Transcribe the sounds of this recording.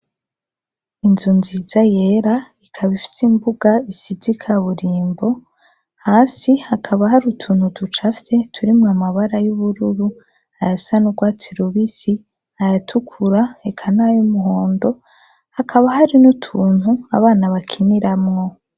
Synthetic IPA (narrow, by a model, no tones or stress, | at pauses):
inzunzizaje̞ɾaikʰaβifi̥simbuɡaisidikʰaβuɾiːmbo̞ | haːsihakʰaβaɦaɾutʰuːnhudut͡ʃafte̞tʰuɾimŋamaβaɾajuβuɾuɾu | hajasanuɡwaːtʰiɾuβisi | ajatʰukʰuɾaekʰanajumuɦo̞ːndo̞ | hakʰaβaɦaɾinutʰuːn̥hua̰βaːnaβakʰiniɾamŋo̞